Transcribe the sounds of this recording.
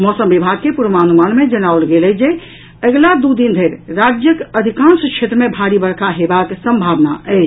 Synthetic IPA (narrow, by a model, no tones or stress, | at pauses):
mɔsəmbibʱaɡ̚kepuɾmanumanmed͡ʒənawlɡelɛd͡ʒe | əɡlad̪ud̪ind̪ʱəɾːad͡ʒjəkəd̪ʱikãnsəkt͡ʃʰet̪ɾəmebʱaɽibəɾkʰaɦebaksəmbʱaʋnaɛt͡ʃ